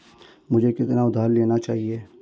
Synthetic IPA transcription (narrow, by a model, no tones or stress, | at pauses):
mʊd͡ʒʱekɪt̪naʊd̪ʱaːɾleːnat͡ʃaːɦieː